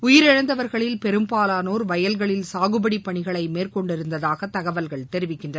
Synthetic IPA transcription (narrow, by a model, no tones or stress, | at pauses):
ʊjɪɾɛɻɐnd̪ɐʋɐɾɣɐɭɪlpɛɾɯmpaːlaːnoːɾʋɐjɐlɣɐɭɪlsaːɣɯbɐɽipːɐɳɪɣɐɭɐɪmeːrkɔɳɖɪɾɯnd̪ɐðaːɣɐt̪ːɐɣɐʋɐlɣɐɭt̪ɛɾɪʋɪkːɪndrɐ